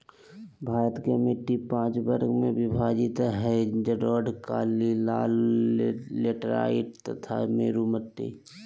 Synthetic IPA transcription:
bʱaːɾət̪kemeʈːipãːt͡ʃbəɾɡmẽbɪbʱaːd͡ʒit̪ɦɛd͡ʒəɖɔːɖkaːlilaːl | leʈəɾa̰ːiʈt̪ət̪ʰa̰meːɾumət̪ːḛ

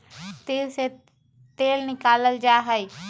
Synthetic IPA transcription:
t̪eːlse | t̪eːlnɪkaːləld͡ʒaɦəj

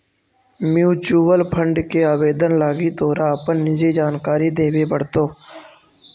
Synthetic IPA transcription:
mjuːt͡ʃuːʋəlpʰəɳɖkeːaːʋeːd̪ənlaːɡiːt̪oːɾãːəpənːɪd͡ʒiːd͡ʒaːnkaːɾiːd̪eːʋeːbəɽ̤t̪oː

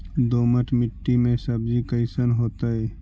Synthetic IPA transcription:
d̪oːməʈʰmɪʈːimẽsəbd͡ʒikəɪsənɦoːt̪aɦɛ

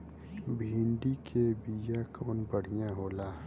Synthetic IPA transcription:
bʱĩːɳɖikʰebijakʰoːnbəɽ̤ijãɦoːlaː

